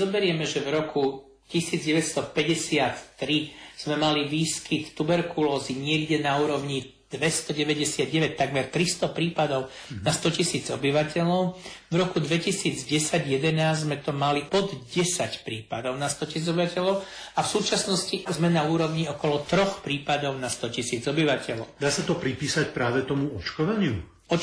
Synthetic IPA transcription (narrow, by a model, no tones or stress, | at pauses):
ɔbɛɾɪɛmɛʒɛvɾɔku | cisiːd͡zɟɛʋɛcst̪ɔpɛɟɛsɪat̪ːɾiz̥mɛmaliʋiːskit̪ːubɛɾkulɔːziɲɪɛɡɟɛnauːɾɔʊɲi | d̪̥ʋɛst̪ɔɟɛʋɛɟɛsɪad̪̚ɟɛʋɛc̚t̪aɡmɛɾt̪ɾist̪ɔpɾiːpad̪ɔʊ | nast̪ɔcisiːd͡zɔbiʋacɛlɔʊvɾɔkud̪ʋɛcisiːd͡zɟɛsaɟjɛd̪ɛnaːzzmɛt̪ɔmalipɔd̪ɟɛsacpɾiːpad̪ɔʊnast̪ɔcisiːd͡zɔbiʋacɛʎɔʊ | afsuːt͡ʃasnɔscizmɛnauːɾɔʊɲiɔkɔlɔt̪ɾɔxpɾiːpad̪ɔʊnast̪ɔcisiːd͡zɔbiʋacɛlɔʊd̪aːsat̪ɔpɾipiːsacpɾaːʋɛt̪ɔmuɔt͡ʃkɔʋaɲɪu | ɔ